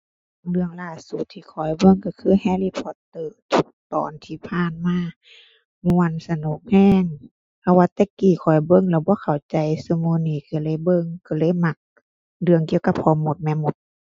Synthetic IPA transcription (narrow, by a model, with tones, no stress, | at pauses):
ŋlɯ˧˨əŋlaː˧˩su˨˦t̪ʰːiː˧kʰɔ˨˩jbɤ˧˨ŋka˧˩kʰɯː˧˥˨hɛː˧˨liː˧pʰɔ˧˦t̪ːɤː˧˩t̪ʰu˧˦k̚t̪ɔ̰ː˨nt̪ʰiː˧˩pʰaː˧˨nmaː˧˥˨ | mu˧ə˨nsa˧noː˨˦ŋ̚hɛː˧˥˩ŋ | pʰa˧waː˧t̪ɛː˧˦kiː˨˩kʰɔ˨˩jbɤ˧˥˨ŋlɛː˧˩bɔː˧˦kʰa˨˩wt͡ɕa˨jsɯ˧˦moː˧niː˧˩kɯ˧˩lɤː˧˥˨jbɤ˧˨ŋka˧˩lɤː˧˥˨jma˧˦k̚ | dɯ˧əŋki˧əwka˧p̚hʰɔː˧˦mo˧˦t̪̚mɛː˧˨mo˧˦t̪̚